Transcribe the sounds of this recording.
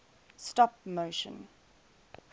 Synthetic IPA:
stɔpmoʊʃə̰̃n

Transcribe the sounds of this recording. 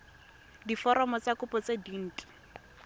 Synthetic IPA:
difɔɾɔmɔt͡sakʊpɔt͡sedin̩ːtʼi̥

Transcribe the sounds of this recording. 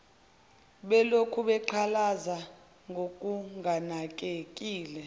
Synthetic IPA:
ɓɛlokʰuɓɛǃʰalaza | ŋɡʱok̬ʼuŋanak̬ʼek̬ʼiːlɛ

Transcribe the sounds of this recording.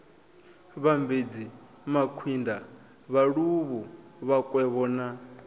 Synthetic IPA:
βambed͡zi | makʰwinda | βaɺuβuβakʼwɛβɔːna

